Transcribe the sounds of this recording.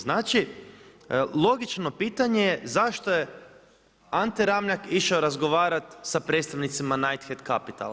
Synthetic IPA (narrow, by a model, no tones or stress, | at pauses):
znaːt͡ʃi | lˠo̞ɡit͡ʃno̞piːt̪aɲe̞jezaʃt̪o̞je̞ | ant̪iɾamʎakiʃaoɾazɡo̞ʋaːɾat̪sapɾe̞t̪st̪aʋnit̪simanajt̪xed̪kapit̪a̰l